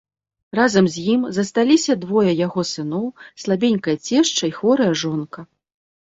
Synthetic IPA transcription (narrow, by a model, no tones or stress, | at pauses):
razɐmzʲjimzɐst̪alʲisʲɐd̪vɔjɐjaɣɔsɨn̪ɔwslˠabʲenʲkɐjɐt͡sʲɛʂt͡ʂɐixvɔɾɐjɐʐɔnkɐ